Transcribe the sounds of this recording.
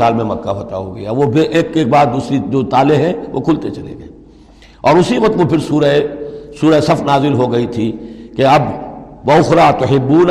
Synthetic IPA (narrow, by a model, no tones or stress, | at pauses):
aːlmẽmɐkːaɦot̪a̰ɦoːɡɐjaʋopɪʔeːkːeːk̚baːd̪̚d̪uːsɾid͡ʒoːt̪aːleɦɛ̃ʋʔo̰kʰʊlt̪et͡ʃɐlḛɡɐ | ɔːɾʊsiʋɐt̪ʋopʰɪɾsuːɾəesuːɾəsɐfnaːzɪlɦoɡɐit̪ʰikeɐbʋɐʊxɾat̪ʊɦɪbːuːn